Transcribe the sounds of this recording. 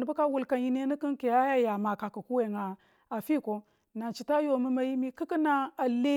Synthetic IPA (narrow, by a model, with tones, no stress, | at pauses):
ni˨bu˦ka˦wu˨lka˨ji˦ne˦ni˦ki˦nke˨a˦ja˦ja˨ma˨ka˨ku˨ku˦we˨ŋa˨ | a˨fi˦˨ko˨ | na˨t͡ʃi˨ta˦jo˨mi˦ma˦ji˦mi˦ki˦ki˦na˦a˨le˦